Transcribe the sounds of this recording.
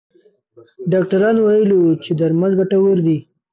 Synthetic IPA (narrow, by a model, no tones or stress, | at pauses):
ɖɑk̚ʈaɾɑnwajəlit͡ʃed̪aɾmalɡaʈawəɾd̪i